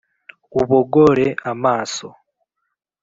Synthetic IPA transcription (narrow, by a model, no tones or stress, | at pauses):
uβoɡoɾeamaːso̰